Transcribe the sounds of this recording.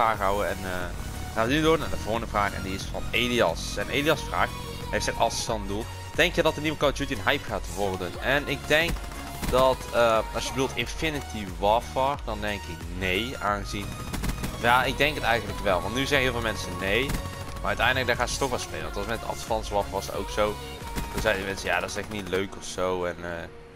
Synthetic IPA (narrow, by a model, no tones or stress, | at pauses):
aːxɦawəɛnə | xaːtnydornaːdəvoːndəvraːxɛ̰ndiɪsfɔ̰neliɑ̰sɛnʔeːliɑsfra̰ːx | hejftɛkɑlˠsdɔnədulˠ | d̥ɛŋkjədɔtərnivəkɔtjutiənɦajpxaːtʋɔrdənɛnɪk̚dɛŋk | dɔtəɑsjəbədulˠtɪnfɪnɪtʰi | ʋɔfɔrdɔndɛŋkɪknejaːnɣəzin | fjaːɪɡ̚dɛŋkətɛjɣəntləkʋɛlˠʋɑ̰ntnyzɛxɣənɪːlˠvɪlˠmɛnsənej | marœɥtɛjndlək̚daːxaːsə̥tɔxʋɛlˠspḛːləʋɔntɔsmɛtdəɑ̰tfɑnsʋɔfʋɔsəro̰wksow | d̥ɔnzɛjdəmɛnsəja̰ːdɔtɪsɛxtnitløɥkɔfsowɛnəː